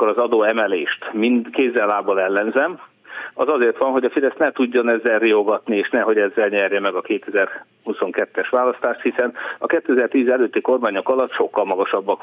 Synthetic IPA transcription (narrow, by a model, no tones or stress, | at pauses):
kːoɾɒzɒd̪oːɛmɛleːʃt̪mind̪keːzːɛlːaːbɒlɛlːɛnzɛm | ɒzɒzeːrt̪ʋɒnɦo̞ɟɒfid̪ɛst̪nɛt̪uɟːonɛzːɛlrio̞ɡɒt̪nieːʃnɛɦo̞ɟɛzːɛlɲɛrjɛmɛɡɒkeːt̪ɛzɛr | huso̞ŋkɛt̪ːɛʃʋaːlɒst̪aːʃt̪hisɛnɒkɛt̪ːøɛzɛrt̪iːzɛløːt̪ːiko̞rmaːɲo̞kɒlɒt̪ːʃo̞kːɒlmɒɡɒʃɒbːɒk